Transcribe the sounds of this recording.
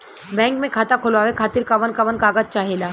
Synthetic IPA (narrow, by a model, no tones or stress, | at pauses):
bɛ̃ːŋkmẽkʰaːt̪akʰʊlʋaːʋekʰaːt̪ɪɾkɐʋənkɐʋənkaːɡət̪̚t͡ʃaɦeːlaː